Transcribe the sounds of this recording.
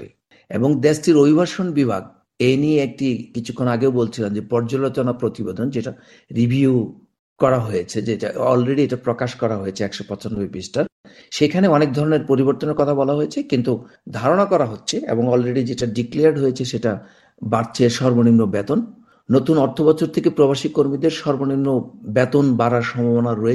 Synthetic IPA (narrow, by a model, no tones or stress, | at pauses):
ḛ | eboŋd̪esʈiɾobibʱaɾʃonbibʱa̰ɡ̚ | enieek̚ʈikit͡ɕʰu̥kʰːonaɡewbolt͡ɕʰilamd͡ʑepɔɾd͡ʑolot͡ɕonapɾot̪ibed̪ʱond͡ʑeʈa | ɾibʱiu | kɔɾaɦojet͡ɕʰed͡ʑeʈa̰ɔlɾeɽieʈapɾokaʃkɔɾaɦojet͡ɕʰeɛkʃopɔt͡ɕʰond̪oebisʈaɾʃekʰaneɔnek̚d̪ʱɔɾoneɾpoɾiboɾt̪oneɾkɔt̪ʰabɔlaɦojet͡ɕʰekint̪u | d̪ʱaɾoɽ̃akɔɾaɦotːɕʰeḛboŋɔlɾeɽid͡ʑeʈaɖikleaɾɖɦojet͡ɕʰeʃeʈa | baɾt͡ɕʰeʃɔɾbonimnobɛt̪onː | ot̪unɔɾt̪ʰobɔt͡ɕʰoɾt̪ʰekepɾobaʃikoɾmid̪eɾʃɔɾbonimnːobɛt̪onbaɾaɾʃɔmbʱabonaɾoe